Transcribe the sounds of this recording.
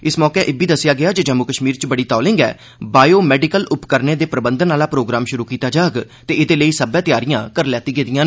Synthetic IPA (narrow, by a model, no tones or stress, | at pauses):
ɪsmɔːkeʔɪbiːd̪əsːɪjaːɡɪaːd͡ʒed͡ʒəmːʊkəʃmiːɾt͡ʃbəɽiːt̪ɔːlɪ̃ŋɡɛ̰ː | baːjoːmɛːɖikəlʊpkəɾneːd̪eːpɾəbənd̪ənaːlaːpɾoːɡɾaːmʃʊɾuːkiːt̪aːd͡ʒaːɡt̪eːɪd̪eːləiːsəbɛ̃ːt̪ɪjaːɾijãːkəɾlɛːt̪iːɡeːd̪ɪjãː